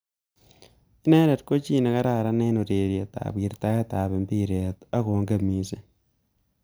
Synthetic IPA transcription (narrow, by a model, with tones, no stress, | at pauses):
ɪ˦nɛ˦ɾɛ˨t̚ko˦t͡ʃi˦ne˨ka˦ɾa˦˨ɾa˦ne˦no˨ɾe˨ɾje˨ta̰˨bi˨ɾta˦ja˦ta˨βe˨mbi˦ɾe˨ta˦ko˨ŋɡa˦mi˨˦se˨